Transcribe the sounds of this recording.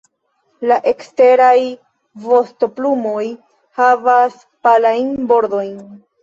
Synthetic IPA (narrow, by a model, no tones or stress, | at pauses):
laʔe̞kste̞ɾaj | vo̞sto̞plumo̞j | havas | palajnbo̞ɾdo̞jn